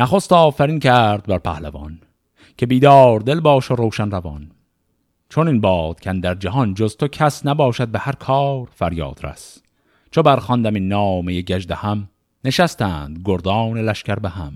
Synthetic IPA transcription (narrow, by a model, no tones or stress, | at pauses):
næχost̪ɒːfæɾinkʰæɾd̪̚bæɾpʰæhlævɒ̰n | kʲʰe̞biːd̪ɒːɾd̪e̞lbɒːʃoɾoːʃænɾævɒ̰n | t͡ʃʰoninbɒːd̪̥cʰænd̪æɾd͡ʒæɦɒnd͡ʒozt̪ʰokʲʰæsnæbɒːʃæd̪̚behæɾkʰɒːɾfæɾjɒ̰ːd̪̥ɾæ̰s | t͡ʃʰobæɾχɒnd̪æminːɒːmejeɟæʒd̪ehæm | ne̞ʃæst̪æːnd̪ɡoɾd̪ɒːnelæʃcʲæɾbeɦæ̰m